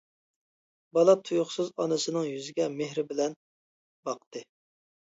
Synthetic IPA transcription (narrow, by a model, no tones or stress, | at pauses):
bɑlˠɑt̪ʰujʊχsɨzɑnɨsɨnɨŋjyzɪɡʲɛmeɦɾɪbɪlɛn | bɑq̚t̪ʰɨ